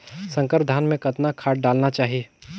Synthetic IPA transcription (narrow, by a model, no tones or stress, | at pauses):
sə̃ŋkəɾd̪ʱaːnmẽkɐt̪nakʰaːʈ̚ɖaːlnat͡ʃaːɦie